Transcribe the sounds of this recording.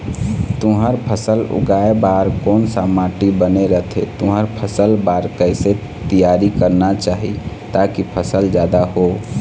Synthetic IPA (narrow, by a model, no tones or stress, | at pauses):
t̪uɦəɾpʰəsəlʊ̰ɡaebaɾkoːnsamaʈibəneɾəɦt̪ʰet̪ũɦəɾpʰəsəlbaɾkəɪse | t̪ijaɾikəɾnat͡ʃaːɦḭ | t̪akipʰəsəld͡ʒjaːd̪aɦo